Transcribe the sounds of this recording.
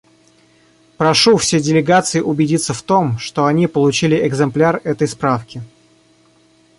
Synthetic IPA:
pɾɐʂufsʲedʲɪlʲɪɡat̪sɨɪʔʊbʲɪdʲit̪sːəft̪o̞mʂt̪o̞ɐnʲipəlˠʊt͡ɕilʲɪʔɪɡzɨmplʲarɛt̪əjspɾafkʲɪ

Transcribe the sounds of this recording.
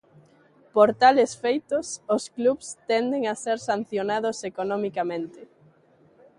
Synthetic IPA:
poɾt̪alesfejt̪ososkluβst̪ɛnd̪eŋaseɾsan̟θjonaðʊsekonomikamẽnt̪ɪ

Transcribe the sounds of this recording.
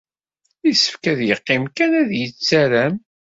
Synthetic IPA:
isə̥fkæðjəqːɪmkænæðjət͡sːæɾæm

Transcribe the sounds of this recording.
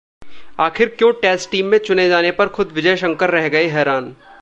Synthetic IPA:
aːxɪɾkjõːʈɛːsʈiːmːẽt͡ʃʊned͡ʒaːnepɐɾxʊd̪ʋɪd͡ʒəjʃɐ̃ŋkəɾːɛɦɡɐeɦɛːɾaːn

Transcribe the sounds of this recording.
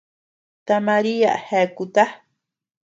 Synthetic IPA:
t̪amaɾia̰ʔhekut̪a

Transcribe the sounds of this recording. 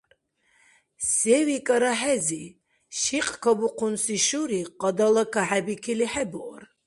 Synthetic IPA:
ssɛwikʼaɾaħɛzi | ʃiqʼkʰabuqʰunsiʃuɾiqʼɑd̪alakʰaħɛbikʰiliħɛbɔɾ

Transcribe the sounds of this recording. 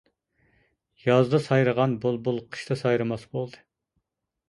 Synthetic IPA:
jɑzd̪ɑsɑjɾəʁɑnbulˠbulˠqʰə̥ʃt̪ʰɑsɑjɾɨmɑsbolˠd̪ɨ

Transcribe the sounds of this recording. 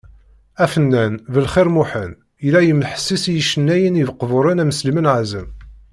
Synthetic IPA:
æfənːænvəlχiɾmuħən | ilæjəmːəħə̥sːisjəʃənːæjənivəqːəvʊɾˤənæməslimənʕazəm

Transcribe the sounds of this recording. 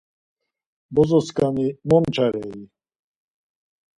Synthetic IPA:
bɔzɔskanimɔmt͡ʃʰaɾɛi

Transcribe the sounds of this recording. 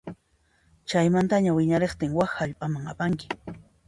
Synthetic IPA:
t͡ʃajmant̪aɲawɪɲaɾeχt̪ɪŋwaxaʎpʼamaŋapaŋkɪ̥

